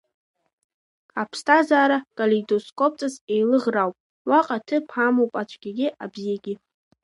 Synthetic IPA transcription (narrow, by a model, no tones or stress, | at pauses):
apʰstʰazaːɾakʼalidoskʷʰʼop̚ʰt͡sʼase̞jlɨʁrawpʼ | waqʼatʰɨpʰamowpʼat͡ʃʷʰʼɡʲaɡʲɪʔabzijaɡʲɪ